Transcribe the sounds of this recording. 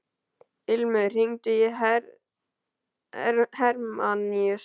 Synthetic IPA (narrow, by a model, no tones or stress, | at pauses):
ɪlmʏðr̥iŋt̪ʏjɛɦ | hɛɾmaniœs